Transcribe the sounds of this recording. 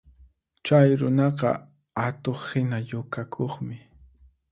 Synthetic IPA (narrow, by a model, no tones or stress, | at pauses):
t͡ʃajɾʊnɑqɑ̰ | at̪oχhɪnajʊkakʰoχmɪ